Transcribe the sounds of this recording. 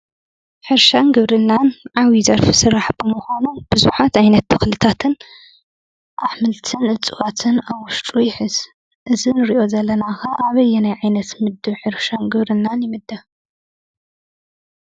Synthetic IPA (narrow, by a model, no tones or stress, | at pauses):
ħɨɾʃanɡɨβɾɨnːanʕawizɐɾfisɨɾaħbɨmʊxanub̥ɨzuħat̪ʕajnɐt̪ːʰɨxlɨt̪ʰat̪ʰɨn | ʔaħmɨlt̪ʰɨnɨt͡sʼɨwat̪ʰɨnawʊʃt̪ʼujɪħɨz | ʔɨzinɨɾiʔo̞zɐlːɐnaxaʔaβɐjːɛnajʕajnɐt̪mɨd̪ːɨβħɨɾʃanɡɨβɾɨnːanjɪmɨd̪ːɐ